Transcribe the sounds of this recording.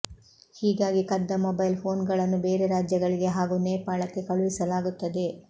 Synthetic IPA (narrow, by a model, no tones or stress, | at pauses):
hiːɡaːɡikɐd̪ːɐmobɐjlpʰo̞ːnɡɐɭɐnːube̞ːɾe̞ɾaːd͡ʒjɐɡɐɭiɡe̞ɦaːɡuːneːpaːɭɐkːe̞kɐɭuʋisɐlaːɡut̪ːɐd̪e̞